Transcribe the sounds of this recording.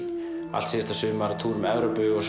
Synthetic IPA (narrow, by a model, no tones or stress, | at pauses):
a̰lsɛɛst̪asʏːʏmvaɾat̪ʰuːɾʏmɛvɾapʏɣɔs